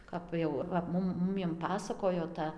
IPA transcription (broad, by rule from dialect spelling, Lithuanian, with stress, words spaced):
ˈkɐp jɛʊ ʋɐ ˈmʊm ˈmʊmʲiɛm ˈpɑːsɐkoːjoː ˈtɐ